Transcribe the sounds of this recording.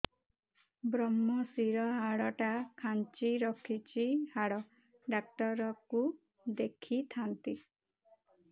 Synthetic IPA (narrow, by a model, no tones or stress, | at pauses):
bɾɔmːɔsiɾɔɦaɽɔʈakʰant͡ʃiɾɔkʰit͡ʃihaɽɔ | ɖak̚ʈɔɾɔku | d̪ekʰit̪ʰant̪i